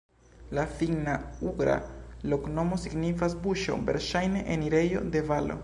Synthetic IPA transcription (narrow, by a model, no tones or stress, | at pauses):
lafiŋnauɡɾa̰lokno̞mosiɡnifas̬buʃo̞̰ve̞̰ɾʃajne̞ʔeniɾe̞jo̞̰d̪e̞valo̞̰